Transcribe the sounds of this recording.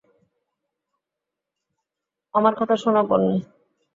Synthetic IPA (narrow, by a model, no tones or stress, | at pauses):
amaɾkɔt̪ʰaʃonapoɾni